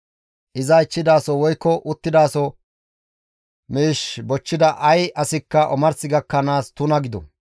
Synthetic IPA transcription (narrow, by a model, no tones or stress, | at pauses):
ʔɪzɐɪt͡ʃːɪd̪aːsɔwɔjkːɔʔʊt̪ːɪd̪aːsɔ | miːʃbɔt͡ʃːɪd̪ɐʔɐjɐsɪkːɐʔɔmɐɾsɪɡɐkːɐnaːst̪ʊnɐɡɪd̪ɔ̰